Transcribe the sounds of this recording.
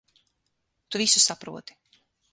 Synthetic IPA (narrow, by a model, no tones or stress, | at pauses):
t̪uvisusapɾṵɔt̪i̥